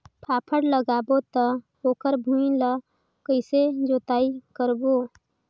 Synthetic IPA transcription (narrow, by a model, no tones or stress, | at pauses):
pʰaːpʰəɽləɡaːbot̪ə | oːkəɾbʱuilə | kəɪsed͡ʒoːt̪aːikəɾboː